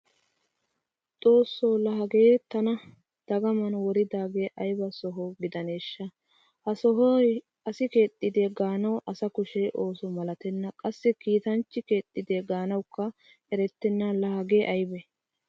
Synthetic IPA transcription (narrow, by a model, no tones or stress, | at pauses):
t̪ʼo̞ːsːowlɐɦɐɡeːt̪ɐnɐ | d̪̥ɐɡɐmɐnwɔɾɪd̪aːɡeːʔɐjbɐsɔɦowɡɪd̪ɐneːʃːɐ | hɐɔɦɔj | ɐsɪke̞ːt̪ʼːɪd̪eːɡaːnɐwʔɐsɐkʊʃeːʔo̞ːsɔmɐlɐt̪ɛnːɐkʼɐsːɛkiːt̪ɐnt͡ʃːɪkeːt̪ʼːɪd̪eːɡaːnɐwkːɐ | ɛɾɛt̪ːɛnːɐlɐhɐɡeːʔɐjbɛ